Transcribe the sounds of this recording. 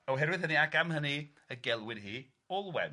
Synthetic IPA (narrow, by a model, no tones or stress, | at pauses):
oɦɛɾwɪðhəniaɡamhəni | əɡɛlˠwɪdɦiː | ɔlˠwɛ̰n